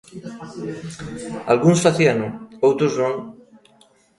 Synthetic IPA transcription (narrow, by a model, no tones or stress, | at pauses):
a̰lɣunsfaθianuowt̪ɾuznõŋ